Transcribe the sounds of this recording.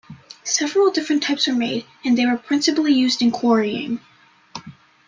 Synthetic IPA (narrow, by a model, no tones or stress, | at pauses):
sɛvɹl̩ˠdɪfɹɨ̃ntʰaɪpsə˞meɪɾ | ɨ̃nðeɪwə˞pʰɹ̥ɪ̃nsɨpl̩ˠijʉzdɨ̃nkʰw̥ɔɹiɪ̰̃ŋ